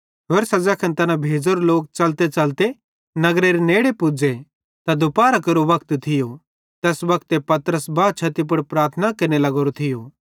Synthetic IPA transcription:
ɦoːɾsɐd͡ʒakʰɐnt̪ɐnãbʱeːd͡ʒoɾoloːk̚t͡ʃɐlt̪et͡ʃɐlt̪e | nɐɡɾeɾeneːɽepud͡ʒe | t̪ad̪ʊpaːɾakɐɾoʋɐkt̪t̪ʰɪjo | t̪ɛːsʋɐkt̪epɐt̪əɾəsbaːt͡ʃʰɐt̪ip̬ʊɽpɾaːɾt̪ʰənakɐɾnelɐɡoːɾot̪ʰɪjo

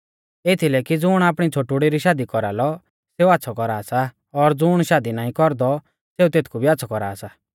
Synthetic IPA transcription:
et̪ʰilɛkid͡zʊɽ̃aːpɽ̃it͡sʰoʈuɽiɾiʃaːd̪ikɔɾa̰ːlɔ | seːuatːsʰɔkɔɾaːsa | ɔɾd͡zʊɽ̃ʃaːd̪inaːĩkɔɾd̪ɔ | seːut̪eːt̪ʰkʰubʱiat̪ːsʰɔkɔɾa̰ːsa

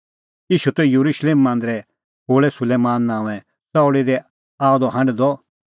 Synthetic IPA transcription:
iːʃut̪ɛjuɾuʃleːmːãːnd̪ɾɛ | oːɭɛsʊleːmãːnːãːũɛ̃ | sɐoɽid̪ɛ | aːɔd̪ɔɦɐ̃ɳɖd̪ɔ

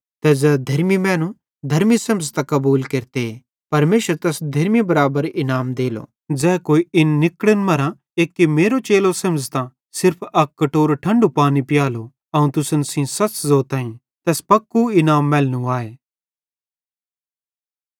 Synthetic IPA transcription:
t̪ɛːd͡zɛːd̪ʱɐɾmimɛ̃ːnũ | d̪ʱɐɾmisɐ̃mzt̪ãkɐbuːlkeɾt̪ee | pɐɾmeːʃəɾt̪ɛːsd̪ʱɐɾmibɐɾaːbəɾɪnaːmd̪eːlo̰ː | d͡zɛːkoːiɪnːɪkɽənmɐɾã | eːkːemeːɾot͡ʃeːlosɐmzt̪ã | sɪɾpʰɐkːɐʈoːɾʈʰɐ̃ɳɖupaːnipɪjaːlo | ɐũt̪ʊsənsĩsɐt͡ʃzoːt̪aːĩ | t̪ɛːspɐkːuɪnaːmːɛːlnũaːeː

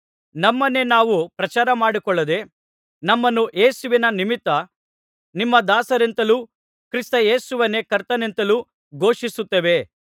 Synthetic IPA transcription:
nɐmːɐnːe̞naːʋupɾɐt͡ʃaːɾɐmaːɽikɔɭːɐd̪e̞ | nɐmːɐnːuʔeːsuʋinɐnimit̪ːɐ | nimːɐd̪aːsɐɾent̪ɐluː | kɾist̪ɐje̞ːsuʋɐnːe̞kɐɾt̪ːɐne̞nt̪ɐluː | ɡo̞ːʂisut̪ːeʋe̞

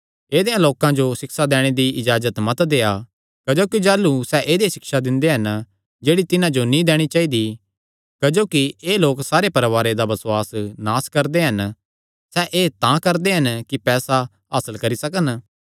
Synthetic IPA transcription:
eːd̪ejãloːkãd͡ʒosɪksad̪ɛːɽ̃ed̪iʔɪd͡ʒaːzət̪mɐt̪d̪eːa | kɐd͡ʒoːkid͡ʒaːlusɛʔeːd̪esɪksad̪ɪ̃nd̪eɦɐn | d͡ʒeːɽit̪ɪnãd͡ʒonĩd̪ɛːɽ̃it͡ʃaːid̪i | kɐd͡ʒoːkieːloːksaːɾepɐɾʋaːɾed̪abɐsʊwaːsnaːskɐɾd̪eɦɐn | sɛʔeːt̪ãkɐɾd̪eɦɐnkipɛːsa | ɦaːsəlkɐɾisɐkən

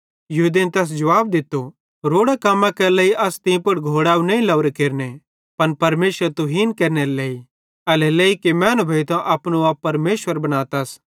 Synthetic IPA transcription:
jɐɦud̪int̪ɛːs̬d͡ʒɐʋaːbd̪ɪt̪ːo | ɾoːɽakɐmːãkɛlɛːiʔɐst̪ĩpʊɽɡʱoːɽaːunɐ̃ĩlɐʋɾekeːɾne | pɐnpɐɾmeːʃʋəɾt̪uɦiːnkeːɾneɾeleːi | ɐleleːikemɛ̃ːnobʱɐit̪ãʔɐpnuaːpːɐɾmeːʃwəɾbɐñaːt̪ɐs

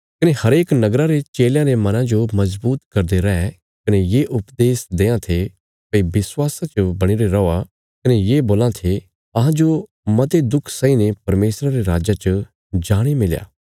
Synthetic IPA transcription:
kɐnehɐɾeːknɐɡɾaɾet͡ʃeːljãɾemɐnãd͡ʒomɐzbuːt̪kɐɾd̪eɾɐɛ | kɐnejeːʔʊpd̪eːsd̪eːãt̪ʰe | pɐibɪswaːsãt͡ʃobɐɽ̃iɾeɾɐa | kɐnejeːboːlãt̪ʰe | ɐɦãd͡ʒo | mɐt̪ed̪ʊkʰsãːinepɐɾmeːsɾaɾeɾaːd͡ʒat͡ʃɐ | d͡ʒaːɽ̃imɪlja̰ː

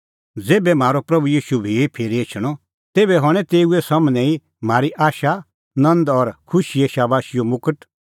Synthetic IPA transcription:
d͡zeːbɛm̤aːɾopɾɐbujiːʃubʱiepʰeːɾiet͡ʃʰɽ̃ɔ | t̪eːbɛɦɔɽ̃ɛ̃t̪eːuesɐmnɛ̃ĩ | m̤aːɾiʔaːʃa | nɐ̃nd̪ɔɾkʰʊʃieʃabaːʃɪjomʊkəʈ

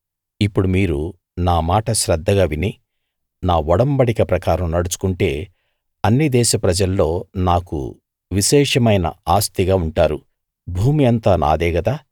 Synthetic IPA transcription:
ipːuɽumiːɾu | naːmaːʈɐʃɾɐd̪ʱːɐɡaːʋini | naːʋɔɽɐmbɐɽikɐpɾɐkaːɾɐmnɐɽut͡ʃu̥kuɳʈe̞ː | ɐnːid̪ɛːʃɐpɾɐd͡ʒɐlːo̞ːnaːkṵ | ʋiʃɛːʂɐmɐjnɐ̰aːst̪iɡaːuɳʈaːɾṵ | bʱuːmijɐnt̪aːnʔa̰ːd̪ɛːɡɐd̪aː

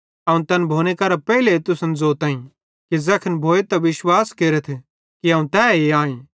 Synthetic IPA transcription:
ɐũt̪ɐnbʱoːñekɐɾapɛilet̪ʊsənzoːt̪ãːĩ | kizɐkʰənbʱoːet̪ɐʋɪʃwaːskeːɾət̪ʰ | kiɦɐːũt̪ɛːeaːẽ

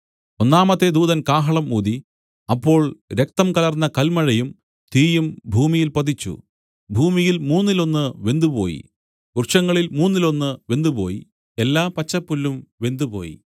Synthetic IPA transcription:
o̞nːaːmɐt̪ːe̞d̪uːðɐnkaːɦɐɭɐmuːd̪i | ɐpːo̞ːɭɾe̞k̚t̪ɐmkɐlɐrnːɐkɐlmɐɻɐjum | t̪iːjumbʱuːmijilpɐd̪it͡ɕːṵ | bʱuːmijilmuːnːilo̞nːɨʋe̞nd̪upo̞̰ːjḭ | kurʂɐŋːɐɭilmuːnːilo̞nːɨʋe̞nd̪upo̞̰ːjḭ | e̞lːaːpɐt͡ɕːɐpːulːumʋe̞nd̪upo̞̰ːjḭ

